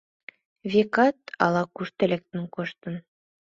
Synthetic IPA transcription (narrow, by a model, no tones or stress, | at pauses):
vʲekɑt̪ɑ̰lˠɑkʉʃt̪ɘ̆lʲæk̚t̪ɘŋkŏʃt̪ɤn